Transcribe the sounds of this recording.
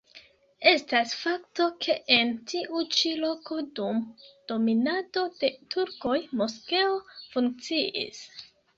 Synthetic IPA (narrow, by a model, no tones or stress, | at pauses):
e̞stasfaktokʰe̞ʔentʰiʔut͡ʃilo̞ko̞dumd̥o̞minado̞de̞tʰuɾko̞jmo̞skeofuŋk̚t͡siʔḭs